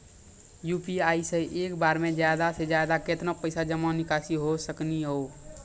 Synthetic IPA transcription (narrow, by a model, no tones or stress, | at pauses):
juːpiaːiseʔeːkbaːɾmẽd͡ʒjad̪ased͡ʒjad̪aket̪napəɪsad͡ʒəmãnɪkaːsiɦosəkniɦoo